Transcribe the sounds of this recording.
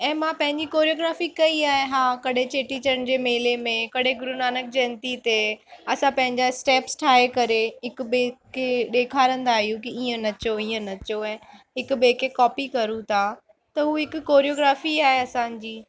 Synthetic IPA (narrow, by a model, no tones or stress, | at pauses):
ɛ̃ːmãpɐ̃ɦɪ̃ɲd͡ʑikoːɾijoːɡɾaːfikɐiaːɦeɦãːkɐɗet͡ɕeːʈit͡ɕəɾn̆d͡ʑeːmeːlemẽkɐɗ̤eɡʊɾunaːnək̚d͡ʑɛːnt̪it̪eɐsãpɐ̃ɦɪ̃ɲd͡ʑaɪsʈeːpsʈʰaːekɐɾeɦɪkʊ̆ɓeː | eɗeːkʰaːɾə̃nd̪aːɦijũkiiːə̃nɐt͡ɕoiːə̃nɐt͡ɕoɛ̃ɦɪkʊ̆ɓeːkʰːekɔːpikɐɾũt̪ʰa | t̪ɐɦuːɦɪkʊkːoːɾijoːɡɾaːfiaːɦeɐsãːɲd͡ʑiː